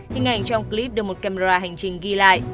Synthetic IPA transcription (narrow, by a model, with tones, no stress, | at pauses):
hï˨˩ŋʔa̰˨˧˩jŋ̟t͡ɕɔ˧wŋ͡mki˧li˦˥p̚ɗk̚mo˨˩t̚kaː˧me˧zaː˧ɦa˨˩ŋ̟t͡ɕï˨˩ŋ̟ɣi˧la̰ː˧˨jʔ